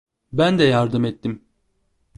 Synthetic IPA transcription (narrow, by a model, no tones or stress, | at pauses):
bænd̪ɛjaɾd̪ɯmɛt̪ːim